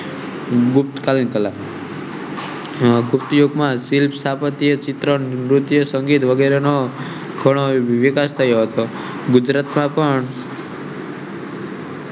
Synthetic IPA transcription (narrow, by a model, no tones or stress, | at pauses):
ɡupt̪kalinkəlam | ɡup̚t̪joɡmãsilpʰsapət̪ijət͡ʃɪt̪ɾənɾut̪jəsəŋɡit̪ʋəɡeɾeno | ɡʱəɽ̃oʋikast̪ʰəjoɦət̪o | ɡud͡ʒɾat̪mãpəɳ